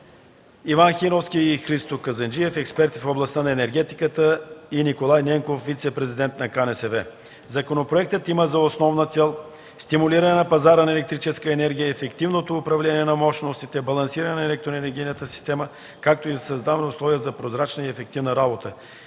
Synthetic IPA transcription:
ivanxinofskʲiːxɾist̪okɐzɐnd͡ʒiɛfɛkspɛɾt̪i̥foblˠɐst̪anɐɛnɛɾɡɛt̪ikət̪əinikolˠajnɛŋkofvit̪sɛpɾɛzid̪ɛnt̪nɐkanɛsɛvɛ | zɐkonopɾoɛk̚t̪ət̪iməzɐosnɔvnət̪sɛlˠ | st̪imʊliɾɐnɛnɐpɐzaɾənɐɛlɛk̚t̪ɾit͡ʃɛskəɛnɛɾɡʲijəːfɛkt̪ivnot̪oːpɾɐvlɛniɛnɐmɔʃnost̪it̪ɛbɐlˠɐnsiɾənɛnɐɛlɛk̚t̪ɾoɛnɛɾɡʲijnət̪əsi̥st̪ɛmə | kak̚t̪oizɐsɐzd̪avnɛʊslˠɔviəzɐpɾozɾat͡ʃnəiɛfɛk̚t̪ivnəɾabot̪ə

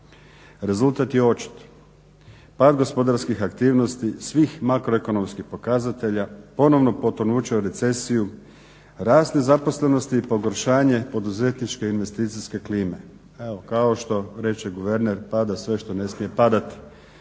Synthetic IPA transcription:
ɾe̞zult̪at̪jeo̞t͡ʃi̥t̪ | paːd̪ɡo̞spo̞d̪aɾskixakt̪iːʋno̞st̪isʋixmakɾoeko̞no̞mskixpo̞kazat̪e̞ʎapo̞no̞ʋno̞po̞t̪onuːt͡ʃauɾe̞t̪se̞siju | ɾaːznezapo̞sle̞no̞st̪iːpo̞ɡo̞ɾʃaːɲe̞po̞d̪uze̞t̪nit͡ʃke̞inʋe̞st̪iːt̪siske̞kliːme̞ | eo̞kaoʃt̪o̞ɾe̞t͡ʃeɡuʋe̞ɾneɾpad̪asʋe̞ʃt̪o̞ne̞smije̞pad̪at̪i̥

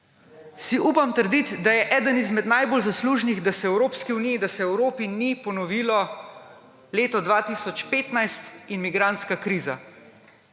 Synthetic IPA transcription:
siʔuːpamt̪əɾd̪it̪d̪ajɛʔɛːd̪ənizmɛd̪najbolzasluːʒniɣd̪asɛɛwɾoːpskiunijid̪asɛɛwɾoːpinipɔnɔʋiːlɔ | leːt̪ɔd̪ʋaːt̪isɔt͡ʃpeːt̪najst̪inmiɡɾant̪skakɾiːza̰

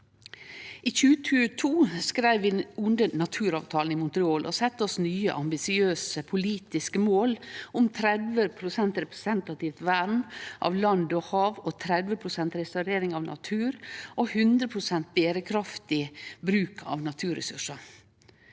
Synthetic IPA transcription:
ʔiːçʉːət̪ʰʉːət̪ʰuːskɾæɪʋʋiːʊnd̪ənɑt̪ʰʉːɾɑːʋt̪ʰɑːln̩ɪmʊnt̪ɾɪoːlʔɔ̰sɛt̪ːəɔsnyːə̰ʔɑmbɪsɪøːsəpʰʊliːt̪ɪskəmoːlʊmt̪ʰɾɛd̪ʋəpʰɾʊsɛnt̪ɾɛpɾɛsɛnt̪ɑt̪ɪʋt̪ʋæɾmʔɑ̰ːʋlɑnd̪ɔhɑːʋot̪ʰɾɛd̪ʋəpʰɾʊsɛnt̪ɾɛst̪ɑʉɾeːɾɪŋɑʋnʔɑ̰t̪ʰʉːɾʔohʉnd̪ɾəpʰɾʊsɛnt̪̚b̪eːɾəkʰɾɑft̪ɪbɾʉːkʰɑ̰ːʋnɑt̪ʰʉːɾɛ̰sʉʂə

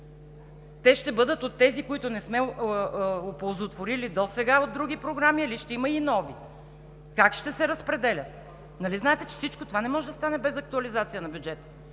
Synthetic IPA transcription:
t̪ɛʃt̪ɛbɤd̪ət̪ot̪ːɛzikoit̪ʊnɛsmɛ | opolˠzot̪voɾilid̪osɛɡaod̪̚ɾuɡ̟ipɾoɡɾamiɐliʃt̪ɛimɐinɔvi | kakʃt̪ɛsɛɾɐspɾɛd̪ɛlʲət̪̚ | nɐliznaɛt̪ɛt͡ʃɛ̥fsit͡ʃkot̪ovanɛmɔʒɛd̪ɐst̪anɛbɛzɐk̚t̪uɐlizat̪sijənɐbʲjud͡ʒɛt̪ə̥

